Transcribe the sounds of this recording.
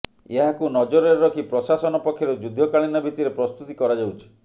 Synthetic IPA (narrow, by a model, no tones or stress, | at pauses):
eɦakunɔd͡ʒoɾeɾːɔkipɾɔsasɔnɔpɔkʰːjɔɾud͡ʒud̪ʱːɔkaɭinabʱit̪iɾepɾɔst̪ut̪ikɔɾad͡ʒawt͡ʃʰi̥